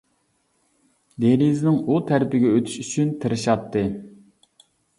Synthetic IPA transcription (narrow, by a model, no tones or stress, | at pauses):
d̪eɾiznɪŋut̪ʰæɾpɪɡʲɛøt̪ʰy̥ʃyt͡ʃʰynt̪ʰɨɾɨʃɑt̪ʰːɨ